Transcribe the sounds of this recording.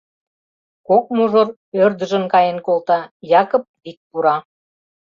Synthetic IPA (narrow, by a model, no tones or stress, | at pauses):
kok̚muʒor | ørd̪ə̆ʒə̆nkɑjenkolt̪ɑjɑkŏp̚βit̪̚puɾɑ